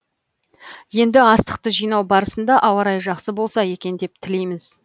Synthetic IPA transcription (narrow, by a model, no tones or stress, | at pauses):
je̞nd̪ɪɑst̪ə̥q̚t̪əʒijnɑwbɑɾəsənd̪ɑʔɑwɑɾɑjʒɑqsəbo̞lˠsɑje̞kʲe̞nd̪e̞p̚t̪ʰɪle̞jmɪz̥